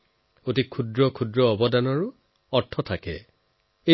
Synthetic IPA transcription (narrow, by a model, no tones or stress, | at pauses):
otikʰudɹɔkʰudɹɔːbɔdanɔɹu | ɔɹtʰɔtʰakɛ̰ | e